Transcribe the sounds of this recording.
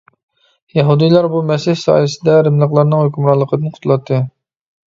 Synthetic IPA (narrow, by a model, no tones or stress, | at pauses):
jɛɦud̪ijlˠɑɾbumɛsɪhsɑ̰ːjɨsɪd̪ɛɾɪmlˠəqlˠɑɾnɨŋhøkʲymɾɑlˠːəqʰəd̪ɨnqʰʊt̪ʰulˠɑt̪ʰːɨ